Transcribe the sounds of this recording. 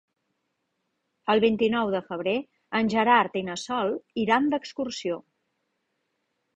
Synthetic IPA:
əlˠβint̪inɔwðəfəβ̞ɾe | ənʲʒəɾaɾt̪inəsɔlˠiɾamd̪əkskursio

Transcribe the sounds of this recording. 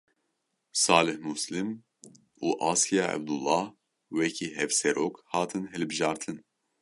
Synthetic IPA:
sɑːlɨhmuslɨm | uːʔɑːskijɑːɛ̰b̚d̪ulːɑːh | wɛkʰiːɦɛvsɛɾoːkhɑːt̪ʰɨnɦɛlbɨʒɑːɾt̪ʰɨn

